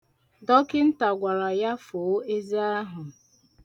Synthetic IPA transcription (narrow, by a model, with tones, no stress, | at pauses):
dɔ˦kɪ˦n̩˦ta˨ɡʷa˨ɾa˨ja˦fo˨˦e˦zi˦a˦ɦʊ˨